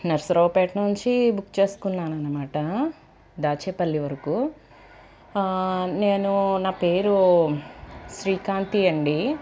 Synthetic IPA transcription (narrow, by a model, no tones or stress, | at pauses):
nɐɾsɐɾɐːpeːʈnuɲt͡ʃibukːt͡ʃe̞ːsu̥kunːaːnɐnːɐmaːʈɐ | d̪aːt͡ʃeːpɐlːiʋɐɾɐkuː | neːnunaːpeːɾu | ʃɾiːkaːnt̪iɐɳɖi